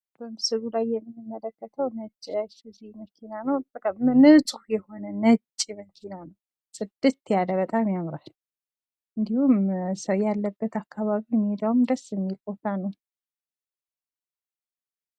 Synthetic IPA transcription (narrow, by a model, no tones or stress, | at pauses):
b̥əmsɨɡulajːɛmːɨnːimːələkːət̪ʰəwnət͡ʃʼːiasɨziməkʰinanəwbəkʼamnɨsʼuhjɛho̞nənət͡ʃʼːiməkʰinanəw | sʼɨd̪ːɨt̪jaləβət̪ʼamjamɾal | ʔɨnd̪ihumsəwjalːəbːət̪akʰːaβaβimːid̪awumd̪əsɨmːilkʼot̪anəw